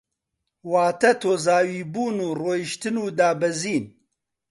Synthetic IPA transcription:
waːt̪ɐt̪ʰoːzaːwiːbuːnuːroːjiʃt̪ɨnuːd̪aːbɐziːn

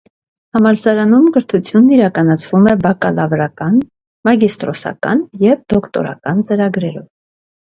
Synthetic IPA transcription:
hɑmɑɾsɑɾɑnumɡəɾt̪ʰut͡sʰjunːiɾɑkɑnɑt͡sʰvumɛbɑkɑlɑvɾɑkɑn | mɑɡist̪ɾɔsɑ̰kɑ̰njɛvd̪ɔkt̪ɔ̰ɾɑ̰kɑnt͡səɾɑɡɾɛɾɔ̰v

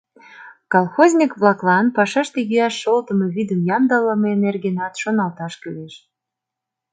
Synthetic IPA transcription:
kɑlˠxozʲnʲikβlɑklɑnpɑʃɑʃt̪ejyæʃːolt̪əmeβid̪əmjɑmd̪ɑləmenerɡenɑt̪ʃonɑlt̪ɑʃkyleʃ

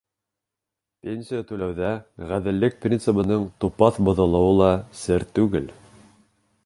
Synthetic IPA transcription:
pʲensʲijat̪ʉlæwðæʁæðɘ̆lːɘk̚prʲint̪sɨpɤ̆nɤɴt̪upɑθbŏðɤ̆lˠɤ̆wɤlˠɑsɘɾt̪ʉɡɘl

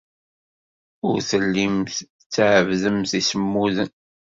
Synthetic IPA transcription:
ʊ̰ɾθəlːimθ | t͡sːʕəvðəmθisəmːuðən

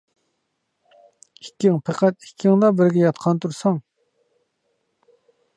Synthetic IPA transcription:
ikʲːɪŋpʰæqʰæt̪̚i̥kʲʰːɪŋd̪ɑbɪɾɡʲɛjɑt̪̚qʰɑnt̪ʰuɾsɑŋ

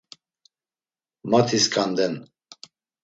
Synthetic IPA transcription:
mat̪ʰiskʰʼand̪ɛn

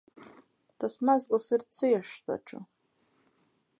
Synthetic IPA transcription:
d̥asmazlasɨrt͡sʰɨjaʂtʰa̰ʈ͡ʂʰʼɨ̰

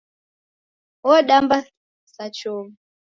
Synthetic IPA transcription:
wɔɗamba | sat͡ʃɔmu

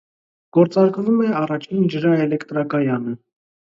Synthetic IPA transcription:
ɡ̥ɔɾt͡sɑɾkvumɛɑrɑt͡ʃʰind͡ʒəɾɑɛlɛkt̪ɾɑkɑjɑnə

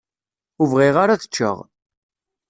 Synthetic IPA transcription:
ʊvʁiʁaɾaθə̥t͡ʃːə̰ʁ

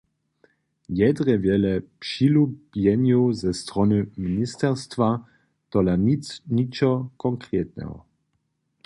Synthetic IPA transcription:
jɛd̪ʁɛvjɛlɛpʂilubjɛnjozɛst̪ʁɔnɨminist̪ɛʁst̪va | t̪ɔlanit͡sɲit͡ʃɔkɔŋkɾeːt̪nɛ̰ɦɔ̰

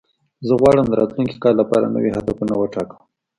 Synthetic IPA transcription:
zəɣwɑɽəmd̪əɾɑt̪lunki̥kɑɾlapɑɾa̰nə̰wiɦad̪apunawəʈɑkəm

